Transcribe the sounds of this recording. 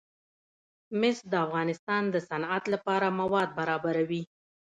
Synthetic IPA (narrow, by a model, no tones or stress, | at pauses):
mɪsd̪əafɣɑnɪst̪ɑnd̪əsanat̪lapɑɾamawɑd̪̚baɾɑbaɾawi